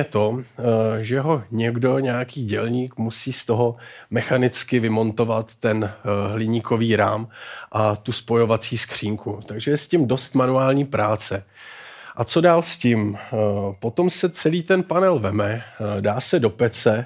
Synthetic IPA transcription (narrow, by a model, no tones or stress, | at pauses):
ɛt̪o̞ | ʒɛɦo̞ɲɛɡdo̞ɲɛjakiːɟɛlɲiːkmusiːst̪o̞ɦo̞mɛxanɪt͡skɪvɪmo̞nt̪o̞vat̪ːɛnɦlɪɲiːko̞viːɾa̰ːmʔat̪uspo̞jo̞vat͡siːskr̝̥iːŋkut̪aɡʒɛjɛscɪmdo̞st̪manuaːlɲiːpɾaːt͡sɛ | ʔat͡so̞daːlscɪm | po̞t̪o̞msɛt͡sɛliːt̪ɛnpanɛlvɛmɛdaːsɛdo̞pɛt͡sɛ